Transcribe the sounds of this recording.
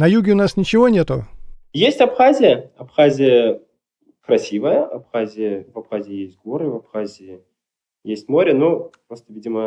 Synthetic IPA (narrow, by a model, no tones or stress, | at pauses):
nɐjuɡʲɪʊnasnʲɪt͡ɕɪvonʲet̪ʊjesʲtʲɐpxazʲɪjəɐpxazʲɪjə | kɾɐsʲivəjəɐpxazʲɪjəvɐpxazʲɪːjesʲtʲɡoɾɨvɐpxazʲɪː | jesʲtʲmo̞ɾʲənopɾost̪əvʲidʲɪmə